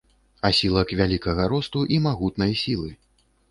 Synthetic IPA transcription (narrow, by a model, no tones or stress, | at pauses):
asʲilˠɐkvʲalʲikɐɣɐɾɔst̪uʔimaɣut̪nɐjsʲilˠɨ